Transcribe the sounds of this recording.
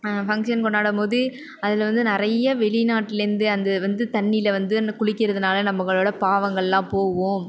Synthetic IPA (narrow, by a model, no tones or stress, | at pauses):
fɐŋkʂɐnkɔɳːaːɽɐmoːðɯ | ɐðɪlʋɐnd̪ɯnɪɾɐjɐʋɛɭɪnaːʈːɪlɪɾɯnd̪ɯɐnd̪ɐʋɐnd̪ɯt̪ɐɳːɪlɐʋɐnd̪ɯkʊɭɪkːɪɾɐðɯnaːlɐnɐmːɐɣɐɭoːɽɐpaːʋɐŋɡɐɭlãːpoːʋõː